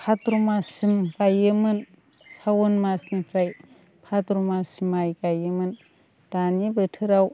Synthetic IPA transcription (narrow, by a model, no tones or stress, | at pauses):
pʰatɾumasimkajɯmɯn | sawɔnmasnipʰɾaj | pʰatɾumasimajɡajɯmɯn | d̥anibɯtʰɯɾaw